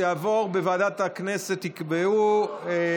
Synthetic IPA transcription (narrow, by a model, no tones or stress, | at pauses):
aːvo̞ʁbevaːd̪at̪akneset̪ikbeu